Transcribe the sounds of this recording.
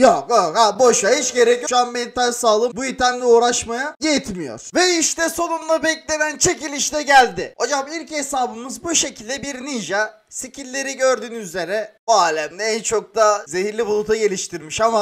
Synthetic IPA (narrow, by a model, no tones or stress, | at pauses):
joohaboʃait͡ʃɟe̞ɾɛcʃuanbent̪ʰaʒsaːlˠɯbujit̪ʰænlʲɛuːɾaʃmajajet̪mijo̞̰ɾ̥vɛiʃt̪ɛso̞numlˠabɛclʲe̞nænt͡ʃʰe̞cilʲiʃt̪ɛɟælʲd̪ɪho̞d͡ʒamiɾʲce̞saːbɯmɯzbuʃe̞cʰilʲd̪ɛbiɾniʒa | sicʰilʲːe̞ɾiɟøɾd̪yːnyze̞ɾɛbuaːlʲæmd̪ɛænt͡ʃʰo̞k̚d̪aze̞ɦiɾlʲibulˠut̪ʰaɟe̞lʲiʃt̪ʰiɾmiʃama